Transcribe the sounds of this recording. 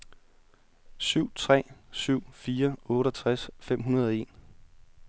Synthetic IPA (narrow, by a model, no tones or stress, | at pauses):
syʊ̰t͡sʰʁɛ̰ːsyʊ̰fiːɐɔ̽ːɾəɒt͡sʰʁasfem̰ɦunɐð̞ˠɒe̝̰ːn